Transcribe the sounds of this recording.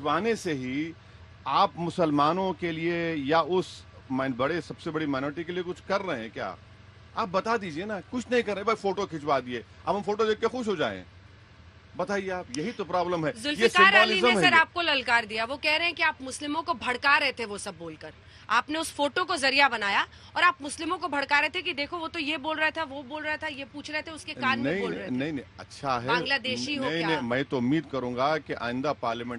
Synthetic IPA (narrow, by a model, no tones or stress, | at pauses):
ɪt͡ʃwaːneseɦi | aːpmʊsəlmaːnõkeliejaʊsmanbɐɽesɐbsebɐɽimaːɪnɔːɾɪʈikeliekʊt͡ʃʰkɐɾːɐɦẽɛ̃kja̰ː | a̰ːp̚bɐt̪ad̪iːd͡ʒienakʊt͡ʃʰnɐɦĩkɐɾːɛẽbɐfoːʈokʰɪt͡ʃwaːd̪ieːɐ̰bʱɦɐ̃mfoːʈod̪eːkkexʊʃ̬ɦod͡ʒaːḛ̃ | bɐt̪aːieaːpjɐɦit̪opɾaːbləmɦɛzʊljeskaːɾalɪizeɐɾaːp̚kolɐlkaːɾd̪ijaʋokɛɦɾɐeɛ̃kiaːpmʊslɪmõkobʱɐɽkaɾɛɦet̪ʰeʋosɐbːoːlkɐɾ | aːpneʊsfoːʈõkozɐɾijabɐnaːja | ɔːɾaːpmʊslɪmõkobʱɐɽkaːɾɛɦet̪ʰekid̪eːkʰoʋot̪ojeboːlɾɐɦet̪ʰaʋoboːlɾɐɦet̪ʰajepuːt͡ʃʰɾɐɦet̪ʰeʊskekaːɾmɐeɦĩoːlɾɐɦenɐɦĩnɐ̃iɐ̰tːʃʰaɦɛb̃ːɡlad̪eːʃɦiɦoɦiaimɛ̃ːt̪oʊmːiːd̪kɐɾũːŋɡakeʔa̰ːɪ̃nd̪apaːɾlɪmɛ̃ɳ